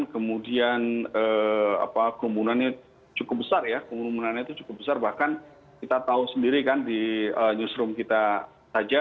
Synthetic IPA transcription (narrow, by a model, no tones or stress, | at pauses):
nkəmudianəa̰pakəɾumunanɲa | t͡ʃukʊp̚bəsarjakumuɾumunanɲat̪ut͡ʃukʊp̚bəsarbahkan | kit̪at̪ausəndiɾikandiəɲusɾʊmkit̪a | sad͡ʒa